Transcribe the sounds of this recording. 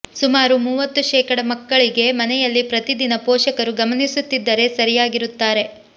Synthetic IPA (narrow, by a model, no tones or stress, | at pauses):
sumaːɾumuːʋɐt̪ːuʃɛːkɐɽɐmɐkːɐɭiɡe̞mɐnɛjɐlːipɾɐt̪id̪inɐpoːʃɐkɐɾuɡɐmɐnisut̪ːid̪ːɐɾe̞sɐɾijaːɡiɾut̪ːaːɾe̞